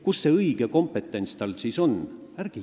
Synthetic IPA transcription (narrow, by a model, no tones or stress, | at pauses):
kusːe̞ɤjɡ̥eko̞mpe̞t̪ːˑe̞nʲt̪st̪ɑlsiːso̞n | æɾɡ̥i